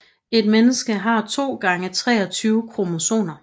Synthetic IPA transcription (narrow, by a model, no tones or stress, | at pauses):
e̝d̥menəsɡ̥əɦɑ̈t͡sʰo̝̰ːɡ̥ɑ̈ŋət͡sʰʁɛ̰ːɒt͡sʰyːʊkʰʁo̝moso̝̰ːnɐ